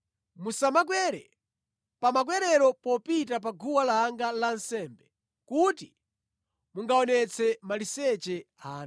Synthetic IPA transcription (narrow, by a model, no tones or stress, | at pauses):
musamak̬wɛɾɛ | pamak̬wɛɾɛɾɔpɔpit̬ap̬aɡʱuwalaŋɡalansɛmbɛ | kuti | muŋɡaɔnɛt͡sʰɛmalisɛt͡ʃɛ | aːn